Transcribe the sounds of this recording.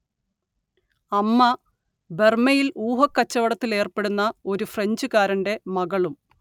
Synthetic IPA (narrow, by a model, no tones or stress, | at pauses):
ɐmːɐ | be̞rmɐjiluːɦɐkːɐt͡ɕːɐʋɐɽɐt̪ːile̞ːrpe̞ɽunːɐo̞ɾufreɲd͡ʑukaːɾɐɳɖe̞mɐɣɐɭum